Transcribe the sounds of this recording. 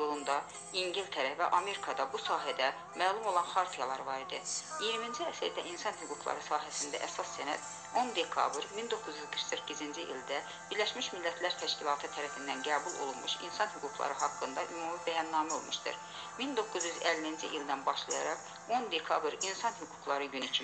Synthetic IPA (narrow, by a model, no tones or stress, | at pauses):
jolˠund̪ɑ | iɲɟilt̪ʰæɾævæ̰ʔɑme̞ɾikʰɑd̪ɑbusɑːɦæd̪æ | mæːlˠumo̞lˠɑnxɑɾt̪ʰijɑlˠɑɾvɑɾid̪ɯijiɾmind͡ʒiæsæɾd̪æ̰ʔinsɑnhyɡuɡlˠɑ̰ɾɯsɑːɦæsind̪æ̰ʔæsɑsːænæ̰d̪̥ | o̞nd̪e̞kʰɑ̰bɾmind̪o̞kʰːuzjyzɡɯɾksiɾcːizind͡ʒiʔild̪æ | b̥iɾlæʃmiʃmilːæt̪ʰlæɾt̪ʰæʃcilˠɑːt̪ʰɯt̪ʰæɾæfind̪ænɡæːbulˠo̞̰lˠunmuʃḭnsɑnhyɡukʰlˠɑ̰ɾɯɦɑkːɯnd̪ɑʔymumibæjɑnːɑːmæo̞̰lˠmuʃt̪ɯ̰ɾ | mind̪o̞kːuzjyzælːiind͡ʒiʔild̪ænbɑʃlˠɑjɑ̰ɾɑq | o̞nd̪e̞kʰɑbɾinsɑnhyɡukʰlˠɑɾɯɟynicʰim